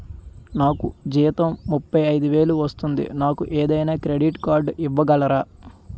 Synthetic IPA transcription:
naːkud͡ʒiːt̪ɐmːupːɐjɐjd̪uʋe̞ːluʋɐst̪und̪ḭnaːkuʔeːd̪ɐjnaːkɾe̞ɖiʈkaːɾɖiʋːɐɡɐlɐɾaː

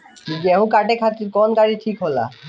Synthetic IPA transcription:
d͡ʒɛɦũkaʈekʰat̪ikɔnkaʈiʈʰikɦola̰

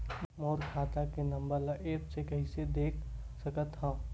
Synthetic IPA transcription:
moːɾkʰaːt̪akenɐ̃mbəɾlaʔeːpsekɐɦĩsed̪eːkʰ | sɐkət̪ɦã

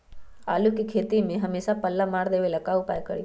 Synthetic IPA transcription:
a̰ːlukikʰeːt̪imẽɦɐmeːsapəlːamaːɽd̪eːʋelɐkaːupaːekə̰ɽḭ

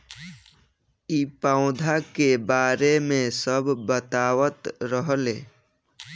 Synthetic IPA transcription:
iːpãʊ̃d̪ʱakebaːɾemẽsəbːət̪aːwət̪ɾəɦleː

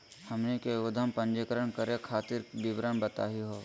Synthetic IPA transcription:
hɐmnekeod̪ʱəmpɐ̃nd͡ʒekəɾəɳkəɾekʰaːt̪ɪɾd̪ɪbɾənbət̪a̰ːɦiɦoː

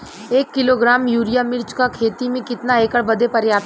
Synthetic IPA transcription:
eːkːɪloːɡɾaːmjuːɾijamɪɾt͡ʃkakʰeːt̪imẽkɪt̪naeːkəɽbɐd̪epɐɾjaː

